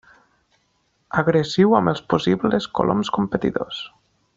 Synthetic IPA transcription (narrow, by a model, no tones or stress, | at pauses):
aɣɾəziwaməlˠsposibləsko̰lʔo̰mskumpət̪ḭðo̰s